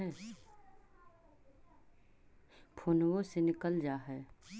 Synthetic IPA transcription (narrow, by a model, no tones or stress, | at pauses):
ɛː | pʰoːnwõsenɪkəld͡ʒaːɦɛː